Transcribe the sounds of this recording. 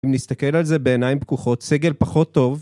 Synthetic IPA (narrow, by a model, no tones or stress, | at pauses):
imnist̪ake̞lalze̞be̞ːnajimbkuχo̞t̪seɡe̞lpaχo̞t̪ːo̞v